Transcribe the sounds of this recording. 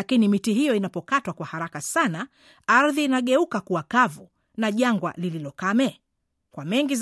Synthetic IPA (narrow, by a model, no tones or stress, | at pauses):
akinimitihijɔinapɔkatwakwahaɾakasana | aɾðiːnaɠɛukakuwakavu | naʄaŋɡwa̰lililɔkamɛ | kwamɛŋɡiz